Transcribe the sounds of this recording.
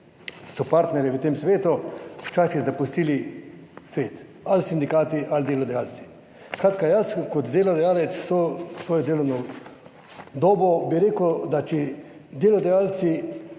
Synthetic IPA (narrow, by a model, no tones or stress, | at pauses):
sɔpaɾt̪nɛɾjɛʋət̪emsʋeːt̪ut͡ʃaːsjɛzapust̪ilisʋeːt̪ | alsind̪ikaːt̪iʔald̪jeːlod̪ɛjaːlsi̥ | skɾat̪kajaskot̪d̪eːlod̪ɛjaːlet̪ssosʋoːjod̪eːlonɔ | d̪oːbobiɾeːkod̪at͡ʃid̪jeːlod̪ɛjaːlt̪si